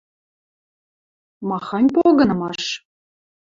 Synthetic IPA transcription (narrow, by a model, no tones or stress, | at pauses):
mɑxɑnʲpoɣɤ̆nɤ̆mɑʃ